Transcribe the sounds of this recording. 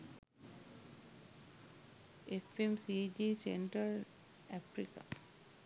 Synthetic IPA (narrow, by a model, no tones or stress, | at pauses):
efemsid͡ʒisḛɳʈɾəl | æpɾika̰